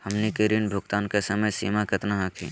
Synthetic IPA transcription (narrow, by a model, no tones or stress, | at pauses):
hɐmnikɪɾinbʱʊɡt̪aːnkesɐməjsḭːmakɪt̪naɦaːkʰḭː